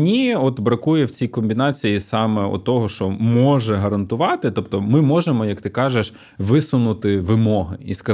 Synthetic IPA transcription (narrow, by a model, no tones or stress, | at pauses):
nʲiɔt̪bɾɐkujɛwt͡sʲijkɔmʲbʲinɑt͡sʲijisɑmɛɔ̰t̪ːɔɦɔʃt͡ʃɔmɔʒɛɦɐɾɐnt̪ʊʋɑt̪ɪt̪ɔp̚t̪ɔmɪmɔʒemɔjɐk̚t̪ɪkɑʒeʃ | ʋɪsʊnʊt̪ɪʋɪmɔɦɪiskɐ